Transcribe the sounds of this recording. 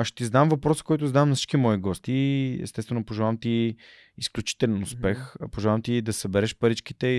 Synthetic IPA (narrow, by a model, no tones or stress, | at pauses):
aʃt̪izɐd̪amvɐpɾɔsə̥kɔjt̪ʊzɐd̪amnsit͡ʃkimɔiɡɔst̪iɛ̰st̪ɛst̪vɛnopoʒɛvaamt̪iː | sklʲut͡ʃi̥t̪ɛlɛnʊspɛxpoʒɛvamt̪id̪ɐsɐbɛɾɛʃpɐɾit͡ʃki̥t̪ɛ